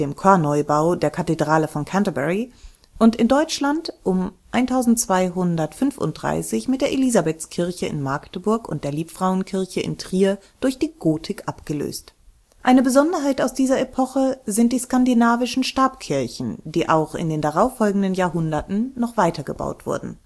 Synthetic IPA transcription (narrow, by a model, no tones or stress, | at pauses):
d̥eːmkʰɔɐnɔʏbaʊdeːɐkʰatedʁaːləfɔnkʰantabɛʁi | ʔʊntɪndɔʏt͡ʃlantʔʊmʔaɪntʰaʊzn̩tt͡sv̥aɪɦʊndɐtfʏnfʊ̰nt̚d̥ʁa̰ɪsɪçmɪt̚d̥eːɐʔelizabɛtt͡skʰɪɐçəɪ̰nmaɐktəbʊɐkʊ̰nt̚d̥eːɐliːpfʁ̥aʊənkʰɪɐçəʔɪ̰ntʁ̥iːə | d̥ʊɐçd̥iːɡ̥oːtʰɪkʔapɡ̥əlø̰ːst | ʔaɪnəbəzɔndɐɦaɪtaʊsd̥iːzɐepʰɔχəzɪnt̚d̥iːskandinaːvɪʃn̩ʃtaːpkʰɪɐçn̩d̥iːʔa̰ʊxɪ̰ndeːndaʁaʊfːɔlɡŋ̩dənjaːɐɦʊndɐtn̩nɔχv̥aɪtɐɡəba̰ʊtv̥ʊ̰ɐdn̩